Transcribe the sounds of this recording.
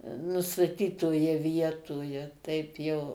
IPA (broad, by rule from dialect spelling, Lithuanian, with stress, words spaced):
nʊstɐˈtʲiːtoːjɛ ˈʋʲiɛtoːjɛ ˈtɐɪp jɛʊ